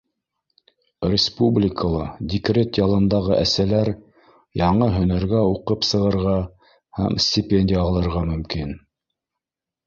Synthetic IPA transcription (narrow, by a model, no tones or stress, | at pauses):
rʲɪspublʲɪkʰəlˠɑd̪ʲɪkrʲet̪jɑlˠɤ̆nd̪ɑʁɤʔæsælæɾ | jɑɴɤɦɵ̆næɾɡæuqɤpsɤ̆ʁɤ̆ɾʁɑ | hæ̰msʲtʲɪpʲenʲdʲɪjəɑlˠɤ̆ɾʁɑmɵ̆mkin